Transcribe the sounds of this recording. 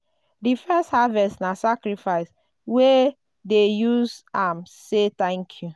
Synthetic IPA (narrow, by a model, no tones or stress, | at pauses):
difɛsthavɛstnasakɾifaɪs | we | dejusãmset̪ɛ̃ŋkʰju